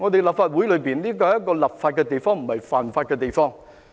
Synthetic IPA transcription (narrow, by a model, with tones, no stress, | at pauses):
ŋɔ˨˧ɗ̪e˨˩la˨˩p̚faː˨˧t̚wu˨˥jləː˨˧jbi˨˩ənɗi˨˥kɔː˧ja˦˥kːɔː˧lɐ˨˩p̚faː˧t̚kɛː˧t̪i˨˩jfɔ˧ŋm̩˨˩mə˨˩jfa̰ː˨˩nfaː˧t̚kɛː˧t̪i˨˩jfɔ˧ŋ